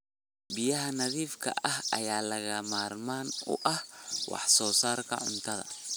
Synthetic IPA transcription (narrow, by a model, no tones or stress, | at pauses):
bɪjɐɦɐnɐðiːfkʰɐ̰ʔɐɦɐjaːlɐɣɐmaːrmaːnʊ̰ʔɐhwɑ̰ħsɔːsaːrkʰɐ̰ʕʊ̰nt̪ʰɐðɐ̰